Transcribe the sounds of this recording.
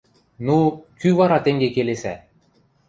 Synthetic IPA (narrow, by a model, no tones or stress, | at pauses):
nukʲyvɑɾɑt̪ʲeŋɡekelesʲæ̰